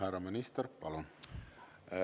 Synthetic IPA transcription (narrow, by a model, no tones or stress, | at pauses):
ærɑminist̪erpɑlon